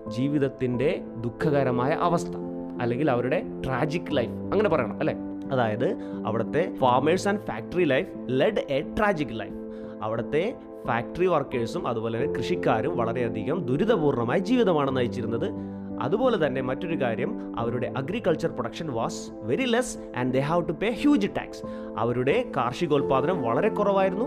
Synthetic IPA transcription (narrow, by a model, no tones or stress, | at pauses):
d͡ʑiːʋiðɐt̪ːinde̞ | d̪ukʰːɐɣɐɾɐmaːjɐ̰ʔɐʋɐst̪ʰɐ̥ | ɐlːe̞ŋɡilɐʋɐɾuɽe̞ʈraːd͡ʑikːlɐjfɐŋːɐne̞p̬ɐrɐjɐɳɐ̰mɐlːeː | ɐðaːjɐðɨɐ̰ʋiɽɐt̪ːe̞faːrmeʈsaːnɖfaːk̚ʈɐrilɐjf | leɖeːʈraːd͡ʑikːlɐ̰jf | ɐ̰ʋiɽɐt̪ːe̞ | faːk̚ʈɐriʋɐrkeːɖsumʔɐ̰ðubo̞ːlet̪ːnːekrɨʂikʲːaːɾumʋɐɭɐɾe̞ɐd̪ʱiɣɐmd̪uɾuðɐpuːrɳɐmaːjid͡ʑiːʋiðɐmaːɳenːɐjit͡ɕːiɾunːɐðɨ | ɐ̰ðubo̞ːle̞t̪ɐnːe̞mɐtːo̞ɾukaːɾjɐm | ɐ̰ʋɐɾuɽe̞ʔɐɡɾikːɐɭt͡ɕɐrproɽɐkʂɐnʋaːs | ʋe̞ɾiles | ʔɐ̰nɖd̪eɦawʈupeːhjuːd͡ʑʈa̰ːks | ɐ̰ʋɐɾuɽe̞kaːrʂiɣo̞ːlpaːd̪ʰʱɐnɐmʋɐɭɐɾe̞kːurɐʋaːjiɾunːu